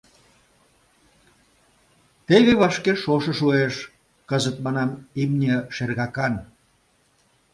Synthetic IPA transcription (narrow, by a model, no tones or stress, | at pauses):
t̪eɣeβɑʃkeʃoʃə̆ʃueʃ | kəzət̪̚mɑnɑmimnʲeʃerɣɑkɑn